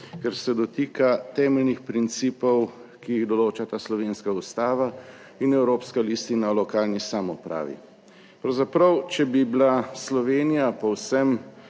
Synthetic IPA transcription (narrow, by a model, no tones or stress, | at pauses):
kɛɾsɛd̪ɔt̪iːkat̪ɛːmɛlnixpɾint̪siːpɔwkiːɣd̪ɔloːt͡ʃat̪aːslɔʋeːnskaust̪aːʋa | inɛwɾoːpskalist̪inaɔlɔkaːlnisamɔpɾa̰ːʋḭ | pɾɐwzapɾɐwt͡ʃɛbibilaslɔʋeːnijapɔwsɛm